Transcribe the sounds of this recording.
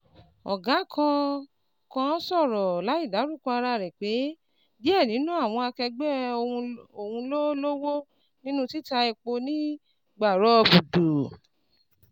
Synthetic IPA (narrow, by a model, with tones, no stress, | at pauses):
ɔ̰˨ɡa˨˦kʰã˧ | kã˦sɔ˦˨ɾɔ˨la˨˦i˦˨da˨˦ɾũ˦˨kɔ̃˧a˧ɾa˧˨ɾɛ˨k͡pe˨˦ | di˦ɛ˦˨nĩ˨˦nũ˦a˦˨w̃ɔ̃˧a˧kɛ˧ɡ͡bɛ˦˧ | o˦˨hũ˧lo˦lo˦wo˦ | nĩ˦nũ˦ti˦ta˧i˧k͡po˧nĩ˦ | ɡ͡ba˨ɾɔ˦˧bu˨do˨